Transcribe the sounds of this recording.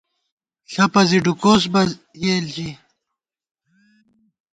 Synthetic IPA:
ɬɐpɐziɖukoːs̬bɐ | jeːlt͡ɕi

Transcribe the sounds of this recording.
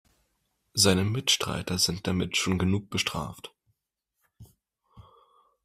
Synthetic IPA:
zaɪnəmɪtʃtʁ̥a̰ɪtɐzɪnt̚d̥amɪtʃoːnɡənuːk̚b̥əʃtʁ̥a̰ːft

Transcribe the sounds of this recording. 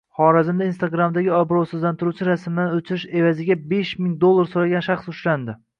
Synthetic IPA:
χɒɾazɪmd̪ainst̪aɡɾamd̪aɡʲɪɒbɾowsɨzlant̪ʰɪɾut͡ʃʰɪɾasmɪd̪anot͡ʃʰɪɾɪʃe̞vazɪɡʲabe̞ʃmɪŋd̪olˠːaɾsoɾaɡʲanʃaχsʊʃland̪ɪ

